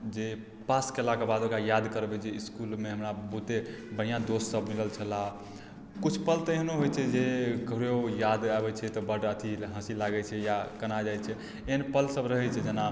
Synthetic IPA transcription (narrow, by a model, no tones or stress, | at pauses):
d͡ʒe | paskelakebad̪okajad̪kəɾbɛt͡ʃʰɛiskulmeɦəmɾabut̪e | bəɽijãd̪ossəbniləlt͡ʃʰəla | kut͡ʃʰpəlt̪əeɦnoɦojt͡ʃʰɛd͡ʒekəɾeojad̪abɛt͡ʃʰɛt̪ɔbəʈət̪ʰiɦə̃silaɡɛt͡ʃʰɛjakənad͡ʒajt͡ʃʰɛ | eɦənpəlsəbɾəɦɛt͡ʃʰɛd͡ʒena